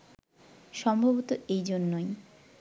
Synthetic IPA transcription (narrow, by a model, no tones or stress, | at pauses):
ʃɔmbʱoβot̪oejd͡ʑonːoj